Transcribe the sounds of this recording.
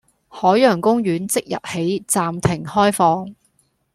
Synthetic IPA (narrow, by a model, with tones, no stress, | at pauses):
hɔː˨˥jjœː˨˩ŋkʊ˥ŋɥyː˨˥nt͡sɪ˥k̚jɐ̰˨p̚he˨˥jt͡saː˧mt̪ʰɪ˨˩ŋhɔː˥jfɔː˧ŋ